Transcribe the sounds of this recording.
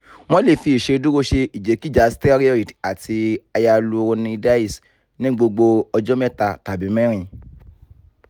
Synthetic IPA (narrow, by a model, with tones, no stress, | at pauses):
w̃ɔ̃˦le˦˨fi˧i˨ʃe˧du˦ɾo˦ʃe˧i˨d͡ʒe˨˦ki˦d͡ʒa˨˦stɛ˦ɾi˦ɔ˦i˨ta˨tʰi˧a˧ja˧lu˧ɾo˧nĩ˧da˦i˦˨s | nĩ˦ɡ͡bo˧ɡ͡bo˧ɔ˧d͡ʒɔ˦mɛ˦ta˧ta˨bi˨˦mɛ̃˦ɾ̃ĩ˧